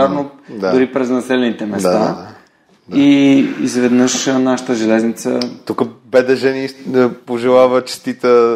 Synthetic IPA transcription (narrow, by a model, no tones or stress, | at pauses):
aɾnod̪aʊɾipɾɛznɐsɛlɛnit̪ɛmɛsad̪a̰a | d̪iizvɛd̪nəʃnaʃə̥t̪əʒɛlɛznit̪sət̪ukəbɛd̪ɛʒɛnipoʒɛlˠavət͡ʃɛ̥st̪it̪ə